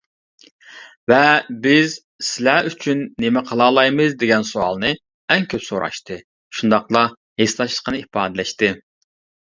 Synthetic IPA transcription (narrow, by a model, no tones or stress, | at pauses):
vɛbɪz | sɪlæʔyt͡ʃʰynːemɪqʰəlˠɑːlˠɑjmɨzd̪eɡʲɛnsuɑ̰lˠnɨ | ɛŋkʲʰøpsoɾɑ̰ʃt̪ʰɨ | ʃund̪ɑqlˠɑ | heslɑʃlˠə̥qənɨipɑːd̪ɛlɛʃt̪ɨ